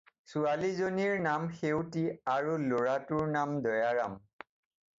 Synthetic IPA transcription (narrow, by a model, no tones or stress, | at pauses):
sualizoniɹnamxewtiaɹuloɹatuɹnamdɔjaɹam